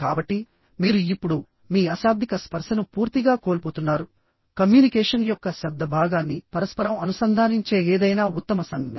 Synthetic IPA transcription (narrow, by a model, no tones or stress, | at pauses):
kaːbɐʈːi | miːɾuipːuɽu | miːɐsaːb̚d̪ʱikɐspɐɾʂɐnupuːɾt̪iɡaːkoːlpoːt̪unːaːɾu | kɐmjuːnikɛːʂɐnjɔkːɐʃɐb̚d̪ʱɐbʱaːɡaːnːipɐɾɐspɐɾɐmɐnusɐnd̪ʱaːniɲt͡ʃe̞ːeːd̪ɐjnaːut̪ːɐmɐsɐŋɡɐɐ